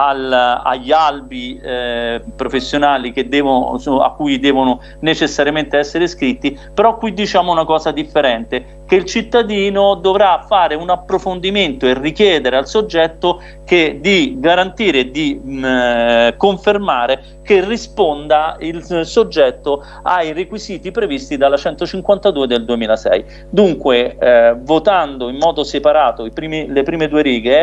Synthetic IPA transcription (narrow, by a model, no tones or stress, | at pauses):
ala̰ʎːalbi | pɾofesːjonaːlik̟ed̪ːɛːvo̰a̰kːuːjd̪ɛːvono | net͡ʃesːaɾjament̪eɛsːeɾeskɾit̪ːipeɾɔkːwid̪ːit͡ʃaːmounakɔːzad̪ifːeɾɛnt̪e | k̟eilt͡ʃit̪ːad̪iːnod̪ovɾafːaːɾeunapːɾofond̪iment̪oerːikjɛːd̪eɾealsod͡ʒːɛt̪ːo | ked̪iɡaɾant̪iːɾed̪i | koɱfermaːɾe | kerːispond̪ailsod͡ʒːɛt̪ːo | ajrekwiziːt̪ipɾevist̪id̪alːat͡ʃɛnt̪ot͡ʃiŋkwant̪ad̪uːed̪eld̪uemiːlasɛ̰j | d̪uŋkwevot̪and̪oimːɔːd̪osepaɾaːt̪oipɾiːmilepɾiːmed̪uːeɾiːɡe